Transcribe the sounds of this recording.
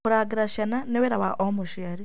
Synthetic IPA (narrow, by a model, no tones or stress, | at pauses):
kuɾaːɡiɾaʃananewiɾaβaʔomuʃiaɾi